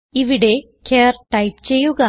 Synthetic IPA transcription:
iʋiɽe̞ | kʲeːrʈɐjpt͡ɕe̞jːuɣɐ

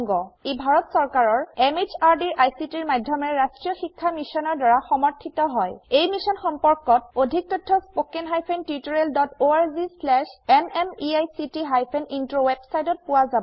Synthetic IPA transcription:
ŋɡɔebʱaɹɔtsɔɹkaɹɔɹemizaɹdiɹajsitiɹmadʱjɔmɛɹastɹijɔxikʰːamisɔnɔɹdaɹaxɔmɔɹtʰitɔɦɔjejmisɔnxɔmpɔɹkɔt̚odʱik̚tɔtʰːɔspokɛnɦajpʰɛntiituɹeldɔtoaɹzislɛʃɛmɛmiajsitiɦajpʰɛnintɹowebsajtɔt̚pʊwazab

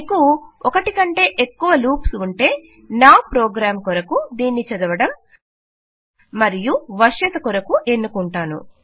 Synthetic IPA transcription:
kuɔkɐʈikɐɳʈe̞ːʔekːuʋɐluːpsuɳʈe̞ː | naːpɾɔːɡɾaːmkɔɾɐkud̪iːnːit͡ʃɐd̪ɐʋɐɽɐm | ɐɾijuʋɐʂɐt̪ɐkɔɾɐkuʔe̞nːukuɳʈaːnṵ

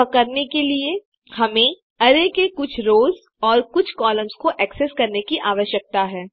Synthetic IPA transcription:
kɐɾnekelie | hɐmẽ | ɐɾekekʊt͡ʃʰɾoːz | ɔːɾkʊt͡ʃʰkɔːlə̃mzkoʔɛːkseskɐɾnekiʔaːʋəʃjək̚t̪aɦɛː

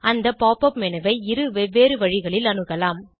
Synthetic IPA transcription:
ɐnd̪ɐpaːpɐpmɛnɐʋɐɪɪɾɯʋɛʋːeːɾɯʋɐɻɪɣɐɭɪlɐnɯɣɐlaːm

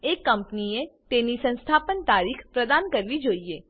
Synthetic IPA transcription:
eːkːɐ̃mpniẽt̪eːnisə̃nst̪ʰaːpənt̪aːɾiːkʰpɾɐd̪aːnkɐɾlid͡ʒoːieː

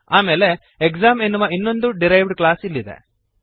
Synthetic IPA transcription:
aːmeːle̞ | ekzaːmenːuʋɐinːo̞nd̪uɖiɾɐjʋɖklaːsilːid̪ḛ

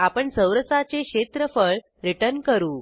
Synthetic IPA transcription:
apəɳsəwɾəsat͡seɕet̪ɾəfəɭ | ɾiʈəɾnkəɾuː

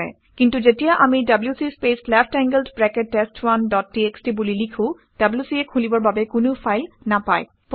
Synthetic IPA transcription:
ɛ̰ | kintuzetijaʔamidabljusispeslɛpʰtɛŋɡəldbɹɛketːestwandɔt̚ːiekstibulilikʰʊ̃ | d̥abljusiekʰulibɔɹbabɛkʊnʊpʰajlnapa̰j | p

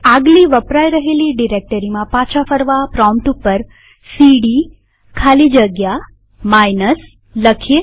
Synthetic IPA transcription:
aɡliʋəpɾajɾəɦeliɖiɾek̚ʈəɾimãpãt͡ʃʰafəɾʋapɾɔmʈupːəɾ | siɽi | kʰalid͡ʒəɡja | majnəs | ləkʰe

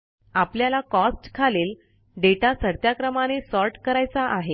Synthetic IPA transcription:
apljalakɔsʈkʰaleːl | ɖeʈasəɾt̪jakɾəmanesɔɾʈkəɾajt͡saʔaɦe

